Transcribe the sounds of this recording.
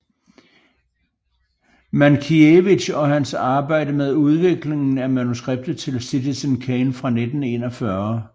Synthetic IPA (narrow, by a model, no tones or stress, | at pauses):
mænkʰieʋiɕɒ̽ɦænsɑ̈ːb̥ɑ̈ɪ̰d̥əmeð̞ˠuð̞ˠʋe̝ɡ̥le̝ŋn̩æmænusɡ̥ʁeb̥̚d̥ð̩ˠt͡sʰe̝lsit͡sʰisənkʰenfʁɑ̈ned̥n̩e̝̰ːnɒ̽fɶɐ